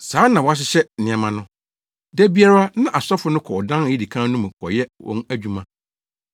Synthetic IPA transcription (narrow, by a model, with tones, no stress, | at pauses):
saː˨˦nã˨wa˦ɕ̬ɪ˦ɕɛ˦˨nɪ̃˨ɛ˨mã˨nʊ̃˦ | dæ˦bi˦a˦ɾa˦nã˦ʔa˨sɔ˦fʊ˦nʊ̃˦kʰɔ˨ɔ˨dã˦n˨ji˦di˨kʰã˦nũ˦m̃˨kʰɔ̰˨jɛ˦wɔ̰̃˦næ˦˨d͡ʑᶣu˦mã˦